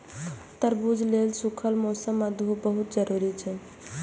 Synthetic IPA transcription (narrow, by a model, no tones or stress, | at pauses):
t̪əɾbud͡ʒʱlelsukʰəlmosəmːad̪ʱɦubəɦut̪̚d͡ʒəɾuɾit͡ʃʰɛ